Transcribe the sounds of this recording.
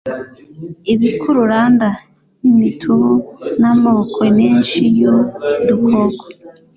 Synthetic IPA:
iβikʰuɾuɾaːnda | nimitʰuβunamaβokʰemiːnʃijudukʰoɡo

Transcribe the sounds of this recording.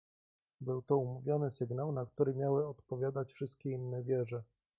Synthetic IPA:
bɘwt̪ɔumuvʲjɔnɘsɘɡnawnak̚t̪uɾɘmʲjawɘɔt̪pɔvʲjad̪at͡ɕfʂɘst̪̚kʲɛinːɛvʲjɛʐɛ

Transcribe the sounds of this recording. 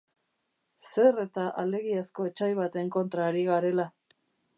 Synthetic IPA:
se̞re̞t̪aʔale̞ɣiasko̞et͡ʃajβ̞at̪e̞ŋko̞nt̪ɾaːɾiɣaɾe̞la

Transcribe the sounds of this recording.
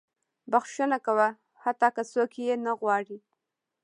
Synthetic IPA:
baxʃənakawa | hat̪ːɑkasokjenaɣwɑɽi

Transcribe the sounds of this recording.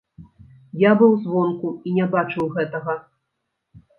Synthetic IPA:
jabɨwzvɔnkuinʲɛbat͡ʂɨwɣɛt̪ɐɣɐ

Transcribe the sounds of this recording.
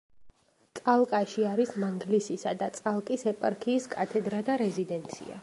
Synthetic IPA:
t̪sʼalˠkʼaʃiaɾismaŋɡlisisad̪at̪sʼalˠkʼisɛpʼaɾkʰiːskʼat̪ʰɛd̪ɾad̪aɾɛzid̪ɛnt̪sʰḭa̰

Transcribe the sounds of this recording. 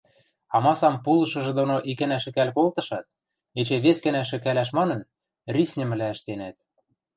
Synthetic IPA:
ɑmɑsɑmpulɤ̆ʃɤ̆ʒĕd̪onoʔikɘ̆næʃɘ̆kælkolt̪ɤ̆ʃɑt̪̚ | et͡ɕĕβeskɘ̆næʃ̬ɘ̆kælæʃmɑnɤ̆n | rʲisʲnʲɘ̆mɘ̆læɘ̆ʃt̪enæt̪̚

